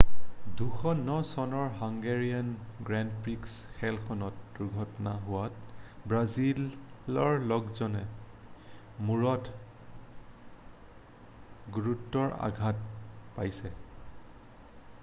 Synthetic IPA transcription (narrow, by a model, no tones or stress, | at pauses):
duxʰɔnɔsɔnɔɹɦɔŋɡeɹianɡɹandpɹiksxʰɛlkʰɔnɔt̚d̥uɹɡʱɔtɔnaɦʊwatbɹazilɔɹlɔɡzɔnɛ | muɹɔt | ɡuɹutːɔɹa̰ɡʱat̚pajsɛ